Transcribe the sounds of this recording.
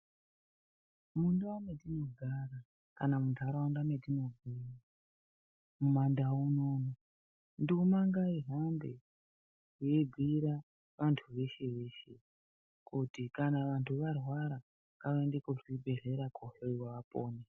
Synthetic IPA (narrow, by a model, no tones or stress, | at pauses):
munduamedino̞ɡʱaɾa | kanamudʱaɾawandamedino̞ɡʱira | mumandaunoːno | ndumaŋɡaiɦambḛ | ebʱiɾa | ʋantʰuʋe̞ʃe̞ʋe̞ːʃe̞ | kutikanaʋantʰuʋarwaɾa | kaʋaendekuʐibʱe̞ɮe̞ɾakʰohoiwaʋapo̰ːne